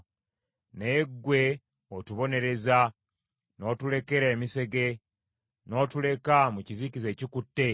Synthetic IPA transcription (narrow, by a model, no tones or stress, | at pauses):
neɡːwe̞ | otuβo̞ne̞ɾe̞za | no̞ːtule̞ke̞ɾeːmise̞ɡe̞ | no̞ːtule̞kamucizicize̞ːcikutːe̞